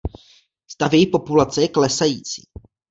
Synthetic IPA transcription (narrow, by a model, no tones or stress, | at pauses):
st̪avjɛjixpo̞pulat͡sɛjɛklɛsajiːt͡sḭː